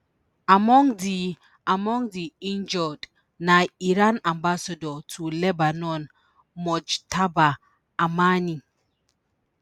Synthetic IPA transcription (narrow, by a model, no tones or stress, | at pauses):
amɔ̃ŋdi | amɔ̃ŋdiind͡ʒɔd | najiɾanãmbasadɔtʰulɛbanɔn | mɔd͡ʒtʰaba | amani